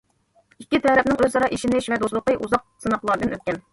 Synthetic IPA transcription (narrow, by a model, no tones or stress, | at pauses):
ikʲːit̪ʰɛɾɛp̚nɪŋøzzɑɾɑʔiʃinɪʃvɛd̪oslˠʊqəʔuzɑq̚sɨnɑqlˠɑɾd̪ɨnøt̪̚ʲkʲɛn